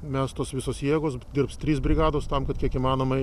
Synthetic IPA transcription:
mʲæst̪oːsʋʲɪsoːsjiɛɡoːsd̪ʲɪrpst̪ʲɾʲiːs̬bʲɾʲɪɡɑːd̪oːst̪ɐmkɐt̪kʲiɛkiːmɑːnoːmɐɪ

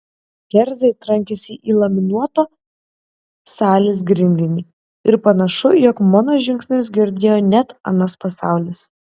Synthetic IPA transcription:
ɡʲɛɾʲzʲɛɪt̪ɾɐŋʲkʲɛsʲɪʔiːlˠɐmʲɪnuɔt̪oː | sɑːlʲeːs̬ɡɾʲɪnʲd̪ʲɪnʲi | ɪɾpɐnɐʃʊjɔkmɑːnoːʒʲɪŋʲksʲnʲɪs̬ɡʲɪɾʲd̪ʲeːjoːnʲɛt̪ɐ̰nɐspɐsɑˑʊlʲɪs

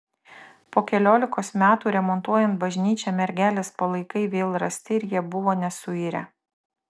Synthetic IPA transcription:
poːkʲɛlʲoːlʲɪkoːsmʲæːt̪uːɾʲɛmɔnt̪uɔjɛnt̪̚bɐʒʲnʲiːt͡ʃʲɛmʲɛɾʲɡʲæːlʲeːspɐlˠɐɪkɐɪʋʲeːlˠɾɐsʲt̪ʲɪɪɾjiɛbʊʋoːnʲɛsʊiːɾʲɛ̰

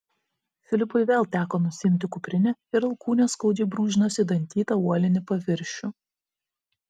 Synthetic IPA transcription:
fʲɪlʲɪpʊɪʋʲeːlˠt̪ʲæːkoːnʊsʲɪɪmʲt̪ʲɪkʊpʲɾʲɪnʲɛɪɾɐlˠkuːnʲoːskɔʊd͡ʒʲɛɪbɾuːʒʲɪnoːsʲɪd̪ɐnʲt̪ʲiːt̪ɐuɔlʲɪnʲɪpɐʋʲɪɾʲʃʲʊ

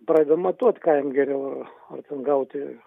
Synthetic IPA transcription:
pɾɑd̪ʲɛd̪omɐt̪uɔt̪ʲkɑːjɪmɡʲɛɾʲɛʊɐr | ɐ̰rt̪ʲɛnɡɐʊt̪ʲɪ

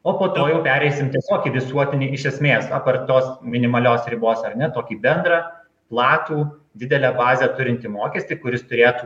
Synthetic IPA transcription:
oːpoːt̪oːjɛʊpʲæːɾʲɛɪsʲɪmt̪ʲiɛsʲoːkʲiːʋʲɪsuɔt̪ʲɪnʲɪʔɪʃʲɛsʲmʲeːsɑpɐrt̪oːsmʲɪnʲɪmɐlʲoːsɾʲɪboːsɐɾnʲɛt̪oːkʲiːbʲɛnd̪ɾɑ | plˠɑːt̪uː | d̪ʲɪd̪ʲɛlʲɛbɑːzʲɛt̪ʊɾʲɪnʲt̪ʲimoːkʲɛsʲt̪ʲɪkʊɾʲɪst̪ʊɾʲeːt̪uː

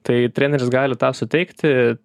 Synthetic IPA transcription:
t̪ɐɪt̪ʲɾʲæːnʲɛɾʲɪsɡɑːlʲɪt̪ɑːsʊt̪ʲɛɪkt̪ʲ

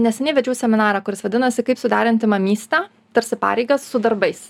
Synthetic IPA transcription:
nʲɛsʲɛnʲɛɪʋʲɛd͡ʒʲɛːsʲɛmʲɪnɑːɾɑːkʊɾʲɪsʋɐd̪ʲɪnɐsʲɪkɐɪpsʊd̪ɑːɾʲɛnʲt̪ʲɪmɐmʲiːsʲt̪ʲæ | t̪ɐɾʲsʲɪpɑ̰ːɾʲɛɪɡɐsːʊd̪ɐɾbɐɪs

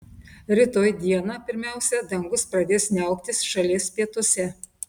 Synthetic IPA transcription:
ɾʲɪt̪oːjd̪ʲiɛnɑːpʲɪɾʲmʲæˑʊsʲɛd̪ɐŋɡʊspɾɐd̪ʲeːsʲnʲɛʊkt̪ʲɪsʃɐlʲeːspʲiɛt̪ʊsʲɛ

